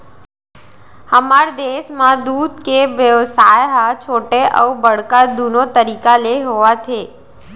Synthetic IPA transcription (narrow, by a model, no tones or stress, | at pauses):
həmaɾd̪eʃmãd̪ud̪ʱkeʋjəʋsajɦat͡ʃʰoʈeʔə̰ubəɽkad̪unot̪əɾikaleɦoʋat͡ʃʰe